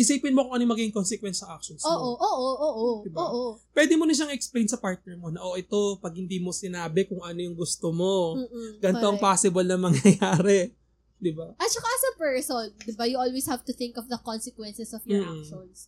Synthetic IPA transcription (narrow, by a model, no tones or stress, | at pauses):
ɪsiːpɪnmokʊŋʔɐnojmɐɡiːɡɪŋkonsɛkwɛnsɐʔak̚ʃonsoːʔoʔoːʔoʔoːʔod̪ɪboʔopwɛd̪ɪmonɐʃ̬aŋɛksplejnsɐpaɹt̪̚nɛɹmo̞nɐʔoʔɛt̪o̞pɐɡ̚hɪnd̪iːmo̞sɪnaːbɛkʊŋʔɐnojʊŋɡʊst̪omo̞ːɡɐnoŋpaːsɪbɐlnɐmɐŋjɐjaːɾɛ | d̪ɪbaʔɐt͡ʃɐkaɐsɐpɛɹsond̪ɪbajʊʔolweshavt̪ʊθɪ̃ŋkɔfd̪ɐkɔnsɛkwɛnsɛsɔvjɔakʃons